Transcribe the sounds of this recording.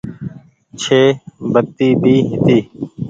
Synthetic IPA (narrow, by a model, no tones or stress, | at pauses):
t͡ʃʰeːbət̪ːiːbʱiːɦɪt̪iː